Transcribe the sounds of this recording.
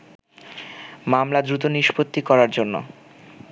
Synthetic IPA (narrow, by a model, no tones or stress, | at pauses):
mamlad̪ɾut̪̬oniʃpot̪ːikɔɾaɾd͡ʑonːo̰